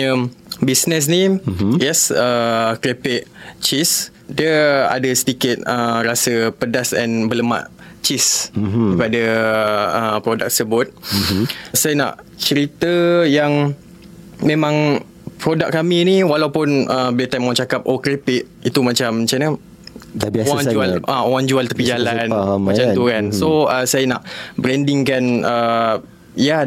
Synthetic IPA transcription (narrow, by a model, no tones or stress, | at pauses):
ə | bisnəs̬nijɛsəkɾepɪʔ̚t͡ʃis | diəa̰dəsə̥tikɪt̪̚əɾasəpədasɛnbələma̰ʔt͡ʃiskəpada | əpɾodak̚səbʊt̪̚ | sajana̰ʔ | t͡ʃəɾit̪əjaŋ | mẽmãŋ | pɾodak̚kːaminiwalawpʊnəbiat̪amwat͡ʃakap̚okɾipit̪̚it̪umat͡ʃamt͡ʃanə | abawand͡ʒualʔawand͡ʒualt̪əpid͡ʒalanmat͡ʃait̪ukansoəsajanaʔbɾɛndiŋkanə | ja